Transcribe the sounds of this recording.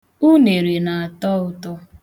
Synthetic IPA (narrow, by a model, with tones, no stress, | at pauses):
u˦ne˨ɾe˨na˨a˨tɔ˦ʊ˦tɔ˦